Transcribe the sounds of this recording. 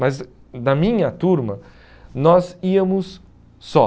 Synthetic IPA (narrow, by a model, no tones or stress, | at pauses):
mɐz | d̪ɐmĩɲɐt̪uɾmɐ | nɔziɐmʊsː | ɔ